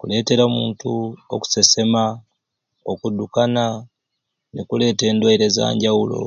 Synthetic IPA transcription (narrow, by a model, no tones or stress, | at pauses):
kule̞ːte̞ɾamuːntuo̰ku̥se̞se̞ma | okudukana | nikule̞ːte̞ːndwaiɾe̞za̰ːɲɟaulo̞̰